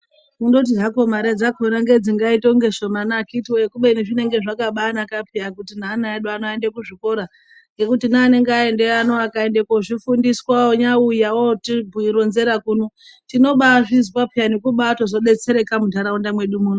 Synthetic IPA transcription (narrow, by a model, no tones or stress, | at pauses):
kundot̬iʐako̞maɾed͡zakonaŋɡe̞d͡ziŋɡaitoŋɡe̞ʃo̞manakitiwoekuɓeineʐine̞ŋɡe̞ʐakaɓaːnakapiakutinaːnaeɗuanoendekuʐiko̞ɾa | ŋɡe̞kutinaːne̞ŋɡae̞ndeano̞akaende̞koʐifundiswawoɲaujawotibʱuiɾo̞nze̞ɾakuno | tino̞ɓaʐizipapianekuɓaːto̞zo̞ɓe̞t͡se̞ɾe̞kamudʱaɾaundamwe̞ɗumuːno